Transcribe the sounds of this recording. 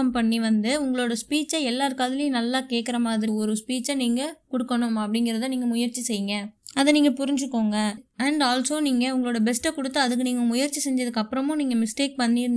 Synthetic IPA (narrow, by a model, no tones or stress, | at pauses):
ɐmpɐɳːiʋɐnd̪ɯʊŋɡɐɭoːɽɐspiːt͡ʃɐɛlːaːɾkaːðɪlɪj̃nɐlːaːkeːʈkːɐɾɐmaːðɪɾɪɔɾɯspiːt͡ʃɐniːŋɡɐkɔɽɯkːɐɳʊmɐpːɐɽɪŋɡɪɾɐðaniːŋɡɐmʊjɐɾt͡ʃisɛjːɯŋɡɐɐðɛniːŋɡɐpʊɾɪɲd͡ʒɯkːoːŋɡɐɐɳɖaːlsoːniːŋɡɐʊŋɡɐɭoːɽɐbɛsʈɛkɔɽɯt̪ːɯɐðɯk̬ːɯniːŋɡɐmʊjɐɾt͡ʃisɛɲd͡ʒɐðɯkːɐpːɯɾɐmʊ̃niːŋɡɐmɪsʈeːk̚pɐnːiːɾ